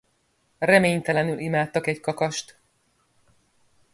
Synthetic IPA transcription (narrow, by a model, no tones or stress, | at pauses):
rɛmeːɲt̪ɛlɛnylʔimaːt̪ːɒkɛckɒkɒʃt̪